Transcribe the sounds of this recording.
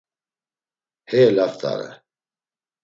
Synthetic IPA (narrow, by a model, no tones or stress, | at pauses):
hɛlaft̪ʰa̰ɾɛ̰